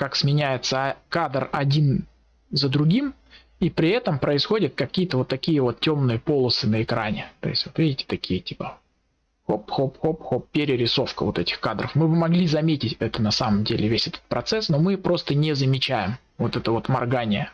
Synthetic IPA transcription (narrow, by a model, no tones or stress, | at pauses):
kaksmʲɪnʲæjɪt̪səɐkad̪rɐdʲin | zəd̪ɾʊɡʲim | ipɾʲɪɛt̪əmpɾəɪsxo̞dʲɪt̪̚kɐkʲijət̪əvo̞t̪ːɐkʲijəvo̞t̪tʲo̞mnɨjəpo̞lˠəsɨnəɪkɾanʲɪt̪o̞̰ɪ̰sʲtʲvo̞t̪vʲidʲɪtʲɪ̥t̪ɐkʲʰijətʲi̥pə | xopxopxopxop̚pʲːɪɾʲɪɾʲɪso̞fkəvo̞̰t̪ɛtʲɪ̥xkad̪ɾəfmɨbɨmɐɡlʲizɐmʲetʲɪtʲɛt̪ənɐsaməmdʲelʲɪvʲesʲɛt̪ə̥t̪̚pɾɐt̪sɛsno̞mɨpɾo̞st̪ənʲɪzəmʲɪt͡ɕæjɪm | vo̞t̪ɛt̪əvo̞t̪mɐrɡanʲɪjə